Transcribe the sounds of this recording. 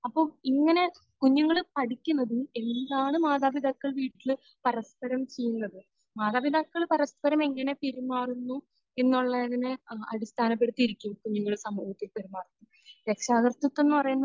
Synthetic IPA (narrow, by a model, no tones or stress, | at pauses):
ɐpːo̞ːiŋːɐne̞ | kuɲːuŋːɐɭpɐɽikʲːunːɐðue̞nd̪aːɳɨmaːðaːbid̪ʱaːkːɐɭʋiːʈːil | pɐɾɐspɐɾɐmt͡ɕe̞jːunːɐðɨ | maːðaːbid̪aːkːɐɭpɐɾɐspɐɾɐme̞ŋːɐne̞peɾumaːrunːu | e̞nːuɭːɐðinɨɐ̰ɽist̪ʰaːnɐpːe̞ɽut̪ːijiɾikʲːumkuɲːuŋːɐɭsɐmuːhɐt̪ːilpeɾimːaːrt̪ːi | ɾe̞kʂaːɣɐrt̪ːɐt̪ːe̞nːupɐrɐjunːɐ